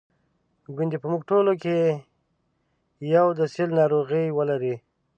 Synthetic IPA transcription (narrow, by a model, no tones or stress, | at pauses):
ɡʊnd̪ipəmuɡ̚ʈoloke | jawd̪əsilnɑɾoɣijwəlaɾi